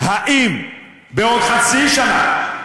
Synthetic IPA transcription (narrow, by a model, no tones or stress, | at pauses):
haʔim | beod̪χat͡siʃana